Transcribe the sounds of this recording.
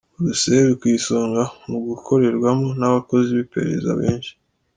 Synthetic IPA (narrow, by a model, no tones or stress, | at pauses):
uɾuseeɾikwiːsoːŋɡamuɡukʰo̞ɾe̞ɾɡwamonaβako̞ziβipe̞̰ɾe̞̰za̰βḛːnʃi̥